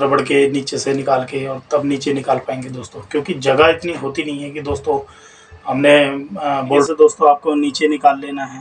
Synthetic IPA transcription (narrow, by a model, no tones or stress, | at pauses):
ɾɐbəɽkeniːt͡ʃesenɪkaːlkeɔːɾt̪ɐbniːt͡ʃenɪkaːlpaːẽːŋɡed̪oːst̪õkjõːkid͡ʒɐɡaɪt̪niɦoːt̪inɐɦĩɦɛkid̪oːst̪õ | ɦɐmne | boːɖsed̪oːst̪õaːp̚koniːt͡ʃenɪkaːlːeːnaɦɛː